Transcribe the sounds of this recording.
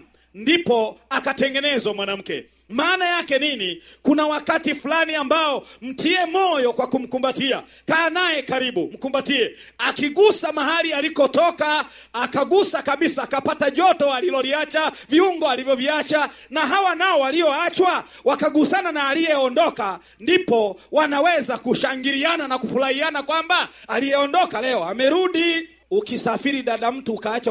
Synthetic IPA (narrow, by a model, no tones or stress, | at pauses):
ndipɔakatɛŋɡɛnɛzwamwanam̩kɛ̰ | maːnajakɛninikunawakatifulaniambaɔm̩tiɛmɔjɔkwakum̩kumbatia̰ | kaːnajɛkaɾiɓum̩kumbatiɛ | akiɠusamaɦalialikɔtɔkaː | kaɡusakaɓisaːkapataʄɔtɔalilɔliat͡ʃaviuŋɡɔalivjɔviat͡ʃa | naɦawanaɔwaliɔat͡ʃwa | wakaɡusananaːlijɛɔndɔka | ndipɔwanawɛzakuʃaŋɡiɾiananakufuɾahianakwambaːlijɛɔndɔkalɛɔamɛɾuɗi | ukisafiɾiɗaɗam̩tuːkaːt͡ʃa